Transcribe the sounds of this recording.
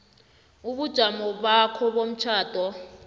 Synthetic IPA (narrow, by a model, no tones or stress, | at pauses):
uɓud̥ʒ̥ʱamɔɓakʰɔɓom̩t͡ʃʰaːd̥ʱɔ